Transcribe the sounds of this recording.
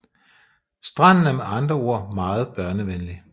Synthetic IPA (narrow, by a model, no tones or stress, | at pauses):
sd̥ʁɑ̈n̰n̩æɐmeɑ̈nd̥ʁɐo̝ɐ̰mɑ̈ːð̞̩ˠb̥ɶɐnəʋenli